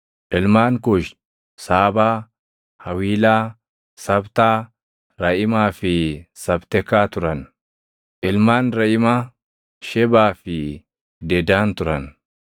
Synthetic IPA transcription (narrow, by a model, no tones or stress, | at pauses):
ʔɪlmaːŋkʊʃ | saːbaː | hɐwiːlaː | sɐbt̪aː | ɾɐʔɪmaːfɪsɐbt̪ɛkːaːt̪ʊɾɐn | ʔɪlmaːnɾɐʔɪmaː | ʃɛbaːfɪ | d̪ɛd̪aːnt̪ʊɾɐn